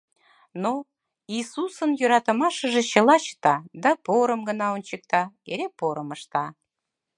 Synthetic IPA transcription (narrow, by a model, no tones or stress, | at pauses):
no | isusənjøɾɑt̪ə̆mɑʃəʒet͡ɕəlɑɕə̥t̪ɑd̪ɑpoɾəmɡənɑonʲt͡ɕək̚t̪ɑeɾepoɾəməʃt̪ɑ